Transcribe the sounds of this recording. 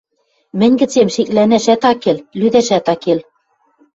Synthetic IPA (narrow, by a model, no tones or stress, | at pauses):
mɘ̆nʲɡɘ̆t͡semʃiklænæʃæt̪ɑkellyðæʃæt̪ɑkel